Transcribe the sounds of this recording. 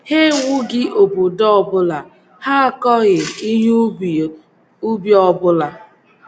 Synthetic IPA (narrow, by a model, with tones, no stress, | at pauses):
he˦wʊ˦ɡɪ˦ʔo˨bu˨dɔ˦ɔ˦˨bʊ˦la˨ | ha˦a˨kɔ˦ɣɪ˨i˦ɦu˦˨ | u˦bjɔ˨bʊ˦la˨